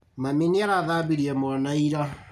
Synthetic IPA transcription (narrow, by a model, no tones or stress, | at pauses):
mamineaɾaðaːbiɾiɛmoɔnaiɾa